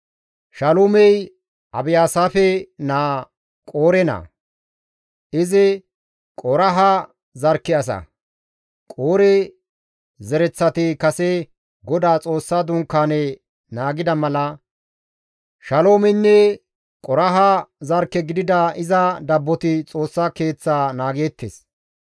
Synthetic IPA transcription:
ʃɐloːmɛj | ɐbɪjaːsaːfɛnaː | kʼo̞ːɾɛnɐ̰ | ɪzɪ | kʼɔɾɐɦɐ | zɐɾkːɪɐs̬ɐ̰ | kʼoːɾɛ | zɛɾɛt͡sːɐt̪ɪkɐsɛ | ɡɔd̪aːt͡sʼo̞ːsːaːd̪ʊŋkːaːnɛ | naːɡɪd̪ɐmɐlɐ | ʃɐlo̞ːmɛnːɛ | kʼɔɾɐɦɐzɐɾkːɛɡɪd̪ɪd̪ɐɪzɐd̪ɐbːɔt̪ɪt͡sʼo̞ːsːaːke̞ːt͡sːaːnaːɡeːt̪ːḛːs

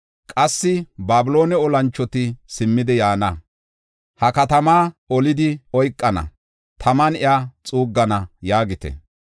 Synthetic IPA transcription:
kʼɐsːɪbaːbɪlo̞ːnɛɔlɐnt͡ʃːɔt̪ɪsɪmːɪd̪ɛjaːnɐ | hɐkɐt̪ɐmaːɔlɪd̪ɪɔjkʼːɐnɐ̰ | t̪ʰɐmɐnɪjaːt͡sʼuːɡːɐnɐjaːɡɪt̪ɛ̰

